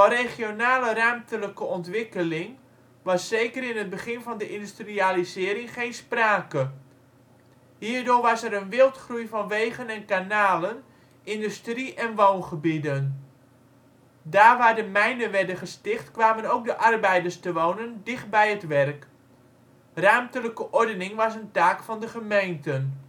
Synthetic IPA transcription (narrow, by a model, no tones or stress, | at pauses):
dɔreχjonaːlərœɥmtələkəɔntʋɪkəlɪŋ | ʋɑsːeːkərɪnət̚bəχɪnvɑndəʔɪndystrializɪːɾɪŋχejnspraːkə | ɦiːrdʊːrʋɑsɛɾənʋɪlˠtχrujvɑnʋejɣənɛnkanaːlən | ʔɪndystriʔɛnʋownχəbidən | daːʋaːdəmɛjndənʋɛrdəχəstɪχtkʋaːmənowk̚dəʔɑrbɛjdərstəʋoːnəndɪχt̚bɛjətʋɛrk | raːmtələkəʔɔɹdənɪŋʋɑsəntaːkfɑndəχəmejntən